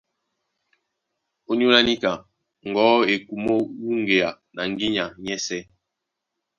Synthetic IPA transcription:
o˦ni˦o˦la˦ni˦ka˨ | ŋ˨ɡɔ˨˦e˨ku˨mo˦wu˦ŋɡe˨a˨ | na˨ŋ˦ɡi˦ɲa˨ɲɛ˦sɛ˦

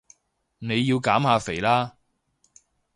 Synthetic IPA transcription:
ne˨˧jːiː˧wkaː˨˥mhaː˨˧fe˨˩jlaː˥

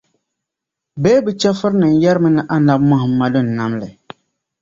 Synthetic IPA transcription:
beː˦bɨ˨t͡ʃɛ˦fɨ˦ɾnɨ˨n˨jɛ˦ɾmɨ˦nɨ˦ʔa˦na˦b̚ma˦hɨ˨ma˨dɨ˦n̩˨na˦mlɨ˨

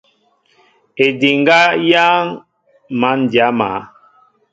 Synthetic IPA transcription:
e˨di˨ŋ˦ɡa˦jaː˦ŋ | ma˨˦n˨dja˨˦ma̰˨˦

